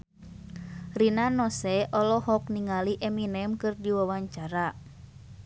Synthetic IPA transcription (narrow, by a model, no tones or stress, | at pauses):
rinanɔsɛʔɔlɔhɔk̚niŋaliʔɛminɛmkɨrdiwawaɲt͡ʃaɾa